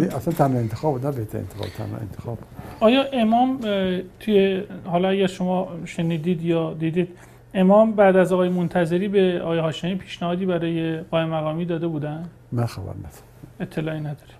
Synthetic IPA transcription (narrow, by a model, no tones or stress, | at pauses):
niʔæslænt̪ʰænhɑent̪exɒːbud̪næbeht̪ʰæɾḛnt̪exɒ̰bt̪ʰæ̰nhɑ̰ḛnt̪ʰexɒːbu̥ɒːjɒːʔe̞mɒːmt̪ʰujehɒːlɒæɟæɾʃo̞mɒʃe̞niːd̪iːd̪jɒːd̪iːd̪iːd̪̥ | e̞mɒːmbæd̪æzɒːɣɒːjemont̪ʰæze̞ɾiːbeɒːɣjehɒːʃemiːpʰiːʃnæhɒːd̪iːbæɾɒːje̞ɣ̥ɒːemæɣɒːmiːd̪ɒːd̪e̞buːd̪ænd̪ | mænxæbæ̰ɾnæd̪̥ɔ̥ | e̞t̪ʰːe̞lɒːinæd̪ɒːɾe̥